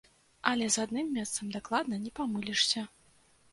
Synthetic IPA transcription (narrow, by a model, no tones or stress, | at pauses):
ɐlʲɛzad̪nɨmːʲɛst̪sɐmd̪aklˠad̪̚nɐnʲɛpamɨlʲiʂsʲɐ